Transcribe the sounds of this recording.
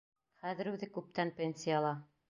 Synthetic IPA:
χæðɘ̆ɾʉðɘkʉp̚t̪ænpʲensʲijɑlˠɑ

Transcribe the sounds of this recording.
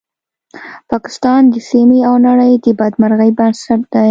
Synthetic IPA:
pɑkɪ̥st̪ɑnd̪əsimiawnaɽəjd̪əbɑd̪maɾɣəjbansaʈ̚d̪̥aj

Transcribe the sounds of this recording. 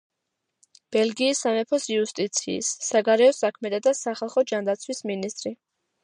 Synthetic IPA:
b̥ɛlɡiːsːamɛpʰɔsiust̪ʼit̪sʰḭːsːaɡaɾɛɔsakʰmɛt̪ʰad̪asaχalˠχɔd͡ʒand̪at̪sʰwisminist̪ʼɾi

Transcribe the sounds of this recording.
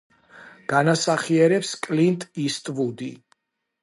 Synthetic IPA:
ɡ̥anasaχiɛɾɛpskʼlint̪ʼist̪ʼvud̪i

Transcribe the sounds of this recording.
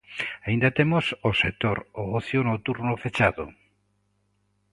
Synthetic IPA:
aĩnd̪ɐt̪emososet̪oɾoɔθjonowt̪uɾnofet͡ʃaðo̰

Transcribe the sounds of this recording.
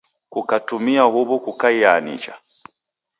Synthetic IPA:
kukatumiahuβukukaianḭt͡ʃa̰

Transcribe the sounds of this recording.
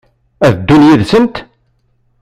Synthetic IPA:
æðd̪ːunjiðsənt̪

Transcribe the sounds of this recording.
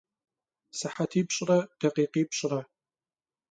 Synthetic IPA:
sɨħatʰiːpɕʼrɐd̥ɐqiːqiːpɕʼɪrɐ

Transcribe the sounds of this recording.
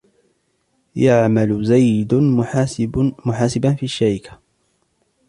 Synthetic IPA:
jaʕmalzajd̪ | mʊħaːsɪbanfiːaʃːaɾɪkḁ

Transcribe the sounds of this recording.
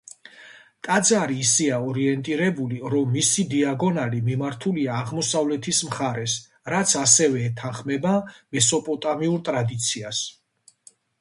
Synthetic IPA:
t̪ʼad̪zaɾiːsiaɔɾiɛnt̪ʼiɾɛbuliɾɔmːisid̪iaɡɔnaɾimimaɾt̪ʰuliaːʁmɔsavlɛt̪ʰismχaɾɛs | ɾat̪sʰasɛvɛːt̪ʰanχmɛbamɛsɔpʼɔt̪ʼamiuɾt̪ʼɾad̪it̪sʰias

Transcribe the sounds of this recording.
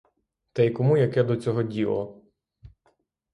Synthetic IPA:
t̪ɛjkɔmujɐkɛd̪ɔt͡sʲɔɦɔdʲilˠɔ

